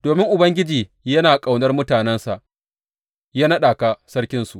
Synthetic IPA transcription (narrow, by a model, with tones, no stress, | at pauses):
d̥oː˨mɪ˦ŋʔʊ˨bɐ˦ŋɡʲɪ˦d͡ʒiː˨ | jɐ˦naː˨kʼa˨wnɐ˦rmʊ˦taː˨nɛ˦nsa˨ʔ | ja˦nɐ˦ɗaː˨ka˨sɐ˦rkʲɪ˦nsu˨ʔ